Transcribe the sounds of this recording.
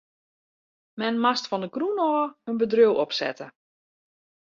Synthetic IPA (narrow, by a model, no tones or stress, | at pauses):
mɛnmastfɔndəkrunɔːənbədrøwɔpsɛ̰tə